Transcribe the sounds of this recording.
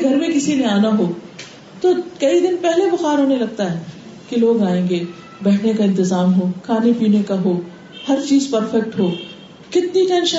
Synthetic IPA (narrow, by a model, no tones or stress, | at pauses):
ɡʱɐɾmẽkɪsineaːnaɦoː | t̪okɐid̪ɪnpɛɦlebʊxaːɾɦoːnelɐɡ̚t̪aɦɛː | keloːɡaːẽːŋɡe | bɛːʈʰnekaɪ̃nt̪ɪzaːmɦoːkʰaːnepiːnekaɦoː | hɐɾt͡ʃiːzpɐɾfɛk̚ʈɦoː | kɪt̪niʈɛ̃ːnʃə